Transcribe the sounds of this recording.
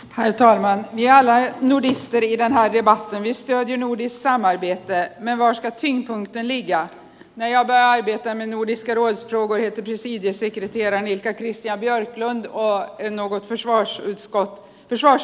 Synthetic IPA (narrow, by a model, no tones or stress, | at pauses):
hæɾʈʰɑːlmanvɪæɾalːanʊɖɪst̪əɾɪd̪ɛnɦæːɖɛbat̪ʰːənvɪst̪øːd̪jəɳuːɖɪsksamːaɾbeːt̪əmɛnvaːʂkat̪ʰʏŋːpʰɵŋkt̪ənlɪɡːa | næɾjɑːɡ̚bœɾjaaɾbeːt̪amɛnuːɖɪskaɾoːd̪sfɾoːɡʊɾheːt̪əɾpʰɾɛsiːd̪jəsɛkɾɛt̪ʰeːɾaɳɪlkakʰɾɪst̪ɪjanbjœɾklɵnd̪ɔnoːɡɔt̪fœʂvɑːʂʉːt̪skɔt̪ː | fœʂvɑːʂ